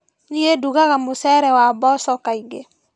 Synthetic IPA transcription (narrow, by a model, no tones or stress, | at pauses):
nieduɡaɣamosɛɾɛwabɔsɔkaiɡe